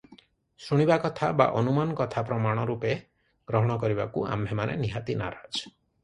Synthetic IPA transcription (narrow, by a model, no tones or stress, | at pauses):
suɽ̃ibakɔt̪ʰaba̰ʔɔnumanɔkɔt̪ʰapɾɔmaɽ̃ɔɾupe | ɡ̥ɾɔɦɔɽ̃ɔkɔɾibakua̰mbʱemanḛniɦat̪ina̰ɾad͡ʒ